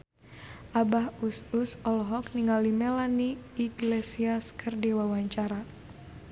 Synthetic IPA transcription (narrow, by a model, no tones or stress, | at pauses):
ʔabahususɔlɦɔkniŋalimɛlaniːɡlesiaskərdiwawaɲt͡ʃaɾa